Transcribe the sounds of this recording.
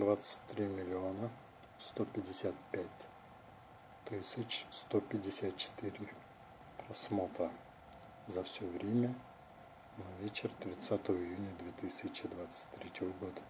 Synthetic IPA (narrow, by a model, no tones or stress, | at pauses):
d̪vat̪sə̥tʲt̪ɾʲimʲɪlʲɪonə | st̪opʲɪdʲɪsʲat̪̚pʲætʲ | t̪ɨsʲɪt͡ɕst̪opʲɪdʲɪsʲat̪̚t͡ʃɪ̥t̪iɾʲɪ | pɾɐsmot̪ɾə | zɐfsʲovɾʲemʲə | navʲet͡ɕɪrt̪ɾʲɪt̪sat̪əvəɪjunʲəd̪vʲet̪ɨsʲɪt͡ɕɪd̪vat̪sə̥tʲt̪ɾʲetʲɪvəɡod̪ə